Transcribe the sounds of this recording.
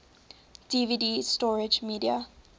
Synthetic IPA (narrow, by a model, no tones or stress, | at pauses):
d̥ividistɔɹɪd͡ʒmiːdia